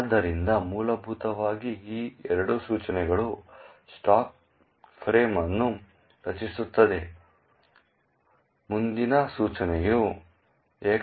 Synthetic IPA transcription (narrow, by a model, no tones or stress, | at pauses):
d̪ːɐɾind̪ɐmuːlɐbʱut̪ɐʋaːɡiiːɛɾɐɽusuːt͡ʃɐnɛɡɐɭusʈaːk̚ | pʰɾeːmɐnːu | ɾɐt͡ʃisut̪ːɐd̪e̞ | mund̪inɐsuːt͡ʃɐnɛju | eːk